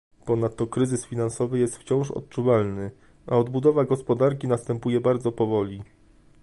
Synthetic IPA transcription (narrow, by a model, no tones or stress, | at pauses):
pɔnat̪ːɔkɾɘzɘsfʲinansɔvɘjɛst̪ft͡ɕɔ̃w̃ʂɔ̰t̪̚t͡ʂuvalnɘ | aɔd̪bud̪ɔvaɡɔspɔd̪aɾk̬ʲinast̪ɛmpujɛbaɾd̪zɔpɔvɔlʲi